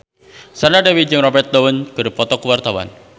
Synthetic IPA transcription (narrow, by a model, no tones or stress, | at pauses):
sarnadewid͡ʒəŋrɔbɛrt̪̚dɔwənkərpɔt̪ɔkuwart̪awa̰n